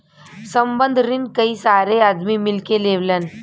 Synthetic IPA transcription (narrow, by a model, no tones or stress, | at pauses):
səmbənd̪ʱɾinkəiːsaɾead̪mimilkeleʋlan